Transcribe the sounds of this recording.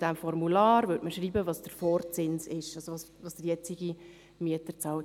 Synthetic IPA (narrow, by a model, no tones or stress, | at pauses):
d̥æmfɔɾmulɑːɾvʏtməʃɾiːbəvɑːsd̥əɾfɔːɾt͡sɪnsɪʃɑsoʋɑːs | ʋɑːsd̥ɪɾjɛt͡siɡi | miətət͡sɑːlt